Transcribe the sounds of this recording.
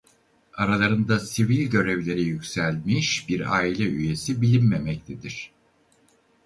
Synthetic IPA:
aɾalˠaɾɯnd̪asivilʲɟø̞ɾevlʲe̞ɾijycsælʲmiʃbiɾaːilʲɛyje̞sibilʲinme̞mɛc̚t̪ʰed̪iɾ̝̥

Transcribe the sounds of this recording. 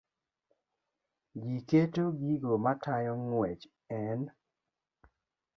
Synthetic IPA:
ɡiketoɡiɡomatʰajɔŋwɛt͡ʃ | ɛn

